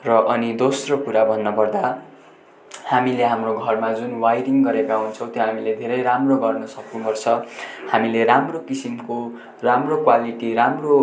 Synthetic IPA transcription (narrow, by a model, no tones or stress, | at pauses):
rʌʔʌnid̪osrokuɾabʱʌnːʌpʌrd̪a | hamileɦamroɡʱʌrmad͡zunwajɾiŋɡʌɾekaunt͡sʰʌ̃w̃t̪joɦamiled̪ʱeɾʌjɾamroɡʌrnʌsʌknupʌrt͡sʰʌhamileɾamrokisimko | ramrokwaliʈiɾamro